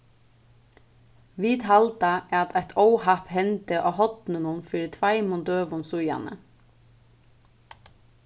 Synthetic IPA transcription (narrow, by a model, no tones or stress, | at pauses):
ʋiːd̪hɑld̪ɑæːɑt̪ʰæɪt̪ʰəʊhɑphɛnd̪əʔoːhɔd̪̥n̩ənuːnfyːɾət̪ʰʋæɪmʊnd̪øːʋʊnsʊjɑ̰nə̰